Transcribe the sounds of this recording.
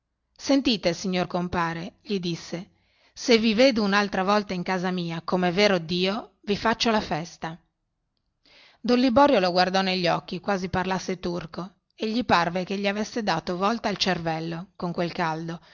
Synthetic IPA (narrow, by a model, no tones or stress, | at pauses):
sent̪iːt̪esiɲːorkompaːɾeʎid̪isːe | seviveːd̪ounalt̪ɾavɔlt̪aiŋkaːzamiːakomeveːɾod̪iːo | vifat͡ʃːolafɛst̪a | d̪onlibɔːɾjoloɡward̪ɔneʎːɔkːikwaːziparlasːet̪urko | eʎːiparvekeʎːiavesːed̪aːt̪ovɔlt̪aːlt͡ʃervɛlːokoŋkwelkald̪o